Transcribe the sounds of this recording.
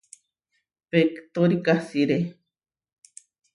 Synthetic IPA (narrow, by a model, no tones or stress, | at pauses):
pekt̪oɾikasiɾe